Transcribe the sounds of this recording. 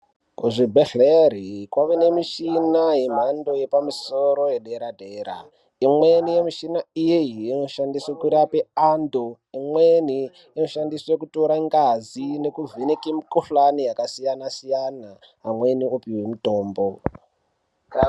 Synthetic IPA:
kuʐibʱeɬerikwaʋene̞miʃinaɦem̤ando̞je̞pamisoɾo̞jeɗeɾadʱeːɾa̰ | imwe̞nijemiʃinaijeiinoʃandiswekuɾapeaːndo | imweni | ino̞ʃandiswekuto̞ɾaŋɡazine̞kuvinikimikofanijakasijanasijanaː | mwe̞niopiwemuto̞ːmbo

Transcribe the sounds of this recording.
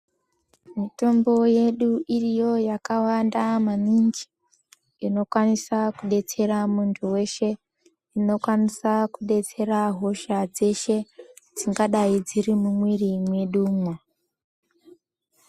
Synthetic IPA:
mito̞mbo̞je̞ɗuʔirijo̞jakawandamanind͡ʒi̥ | ino̞kwanisakuɗe̞t͡se̞ɾamuntʰuwe̞ʃe̞ | ino̞kwanisakuɗe̞t͡se̞ɾaɦo̞ʃad͡ze̞ʃe̞d͡ziŋɡaɗaid͡ziɾimumwirimwe̞ɗuːmwa

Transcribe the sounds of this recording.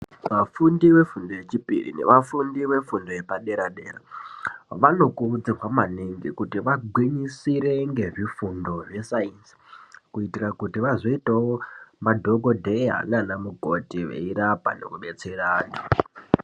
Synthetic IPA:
ʋafundiwe̞fundoje̞t͡ʃipḭrḭnḛʋafundiʋe̞fundo̞je̞paɗe̞ɾaɗe̞̰ːra̰ | ʋano̞kurud͡zirwamaneŋɡikutiʋaɡʱwiɲisiɾe̞ŋɡe̞ʐifundo̞ʐe̞sainsi̥kuitirakutiʋazo̞itawomadʱo̞kodʱe̞ɦa̰nanamukotiʋḛiɾapa̰ne̞̰kuɓe̞t͡seraːndo

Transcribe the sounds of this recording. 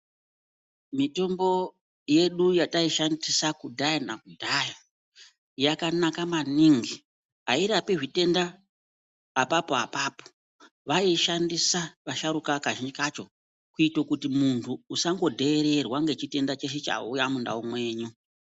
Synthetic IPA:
mito̞mbo̞ | je̞ɗujataiʃandisakudʱajanakudʱaja | jakanakamaniŋɡi | ɦaiɾapiʐite̞nda | apapo̞apaːpo̥ | ʋaiʃandisaʋaʃaɾukakaʒind͡ʒikat͡ʃo̞ | kuitokutimuntʰuːsaŋɡo̞dʱeːɾe̞rwaŋɡe̞t͡ʃite̞ndat͡ʃeʃet͡ʃa̰ujamunda̰umwe̞ːɲu

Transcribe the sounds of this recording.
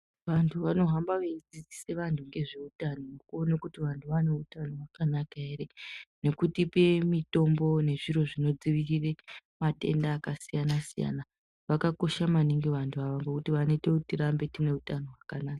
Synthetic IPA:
ʋantʰuʋano̞ɦambaʋeid͡zid͡zise̞ʋantʰuŋɡe̞ʐe̞utanomokuo̞nekutiʋantʰuʋane̞utanowakanakae̞ɾe̞ne̞kutipe̞mito̞mbo̞ne̞ʐiɾo̞ʐino̞d͡ziʋiriremate̞̰ndaːkasijanasija̰na | ʋakako̞ʃamaniŋɡiʋantʰuaʋaŋɡekutiʋanotekutiɾambe̞tine̞utano̞ɦwakanaːkḁ

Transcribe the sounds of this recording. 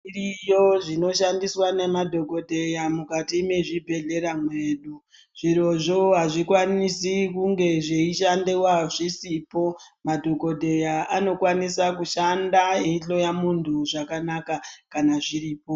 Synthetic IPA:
irijo̞ʐino̞ʃandiswane̞madʱo̞ko̞dʱe̞jamukatime̞ʐibʱe̞ɮe̞ɾamwe̞ːɗu | ʐ̥iɾo̞ʐo̞ɦaʐikwanisikuŋɡe̞ʐeiʃandiwaʐisipo̞ | madʱo̞ko̞dʱe̞jaʔano̞kwanisakuʃandaɦeiɬo̞jamuntʰuʐakanakakanaʐiɾiːpo̞

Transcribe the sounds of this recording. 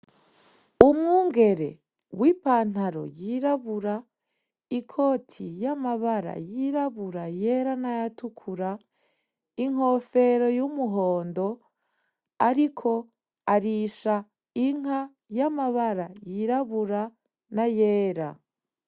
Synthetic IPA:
umŋuːŋɡe̞ɾe̞̰ | wiːpaːn̥aɾo̞̰jiɾaβuɾa | ikʰo̞ːtʰijamaβaɾa̰jiɾaβuɾajeɾanajatukʰuɾa | iŋ̥ho̞fe̞ɾo̞jumuɦo̞ːndo̞ | aɾikʰo̞ | aɾiʃa | iŋ̥a | jamaβaɾajiɾaβuɾa | najeːɾa̰

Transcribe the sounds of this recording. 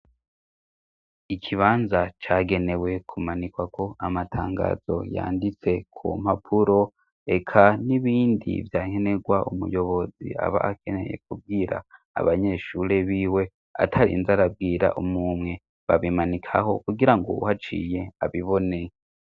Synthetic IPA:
ikʰiβaːnzat͡ʃaːɡe̞ne̞we̞kʰumanikwakʰo̞ʔamatʰaːŋɡa̰ːz̥o̞̰ja̰ːndit͡se̞kʰṵmhapʰuɾo̞ | e̞kʰaniβiːndḭvjaːŋe̞ne̞ɡwaumṵjo̞βo̞zḭa̰βa̰ʔake̞ne̞̰je̞̰kub̚ɡiːɾa̰ː | βaɲe̞ʃuɾe̞βiːwe̞ | a̰tʰaɾḭnzaɾab̚ɡiːɾa̰ʔumumŋe̞ | βaβimanikʰaɦo̞̰kuɡiɾaŋɡo̰ṵhat͡ʃḭːje̞aβiβoneje

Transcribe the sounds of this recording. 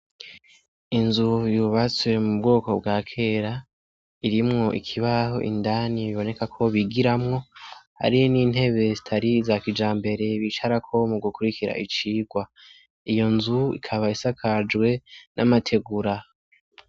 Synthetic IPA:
inzujuβat͡swe̞mub̚ɡoːko̞bɡaːkʰe̞ːɾa | iɾimŋo̞ʔḭkʰiβaho̞ʔḭndaniβiβo̞ne̞kakʰo̞βiɡiɾamŋo̞ha̰ɾijoniːn̥he̞βe̞zitʰaɾizakid͡ʒaːmbe̞ɾe̞βit͡ʃaɾakʰo̞muɡukuɾikiɾa̰ʔit͡ʃiːɡwa | ijo̞nzuḭkʰaβaisakʰad͡ʒwe̞nʔa̰matʰe̞ɡuɾa

